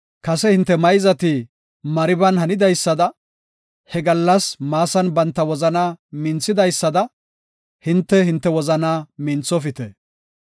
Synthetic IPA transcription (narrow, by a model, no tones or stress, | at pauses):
kɐsɛhɪnt̪ːɛmɐjzɐt̪i | mɐɾɪbɐnhɐnɪd̪ɐjsːɐd̪ɐ | hɛɡɐlːɐsmaːsɐnbɐnt̪ːɐwɔzɐnaːmɪnt͡sːɪd̪ɐjsːɐd̪ɐ | hɪnt̪ːɛhɪnt̪ːɛwɔzɐnaːmɪnt͡sːɔfɪt̪ɛ